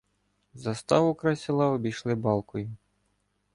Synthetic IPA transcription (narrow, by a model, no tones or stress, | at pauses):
zɐst̪ɑʋʊkɾɑsʲɪlˠɑɔbʲijʃlˠɪbɑlˠkɔjʊ